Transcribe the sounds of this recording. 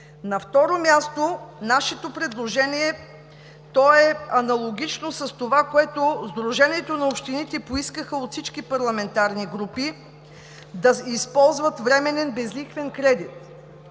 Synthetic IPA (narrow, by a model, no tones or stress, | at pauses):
nɐft̪ɔɾomʲjast̪onaʃɛt̪opɾɛd̪lˠoʒɛniɛ | t̪ɔɛɐnɐlˠoɡʲit͡ʃnosɐst̪ovakoɛt̪ozd̪ɾuʒɛniɛt̪onɐopʃt̪init̪ɛpoiskəxəot̪fsit͡ʃkipɐɾlˠɐmɛnt̪aɾniɡɾupi | d̪ɐispɔlˠzvət̪vɾɛmɛnɛnbɛzlixvɛnkɾɛd̪it̪̚